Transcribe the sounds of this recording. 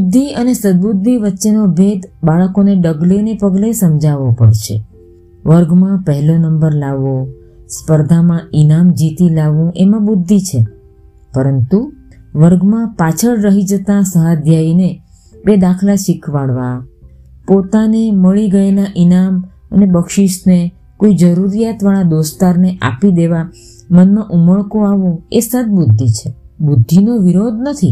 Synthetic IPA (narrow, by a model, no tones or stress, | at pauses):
bud̪ʱːiənesəd̪̚bud̪ʱːiʋətːʃenobʱed̪baɭəkoneɖəɡlenepəɡlesəmd͡ʒaʋopəɭʃḛ | ʋəɾɡmãpəɦɛlonəmbəɾlaʋõ | spəɾd̪ʱamãinamd͡ʒit̪ilaʋũʔemãbud̪ʱːit͡ʃʰe | pəɾənt̪u | ʋəɾɡmãpat͡ʃʰəɭɾəɦid͡ʒət̪ãsəɦad̪ʱjaine | bed̪akʰlaʃikʰʋaɽʋa | pot̪aneməɭiɡəelaʔinam | ənebəkʃiʃne | koid͡ʒəɾuɾijat̪ʋaɭ̃ãd̪ost̪aɾneʔa̰pid̪eʋa | mənmãʔuməɭkoaʋũesə̃d̪̚bud̪ʱːit͡ʃʰe | bud̪ʱːinoʋiɾod̪ʱnət̪ʰi